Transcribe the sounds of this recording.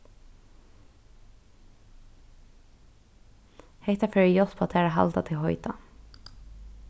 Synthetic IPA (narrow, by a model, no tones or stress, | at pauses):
hɛɪt̪ɑfœːɹijɔspʰɑt̪ʰeːɾəɦɑ̰lt̪ɑt̪ʰɪhɔʏt̪ɑ̰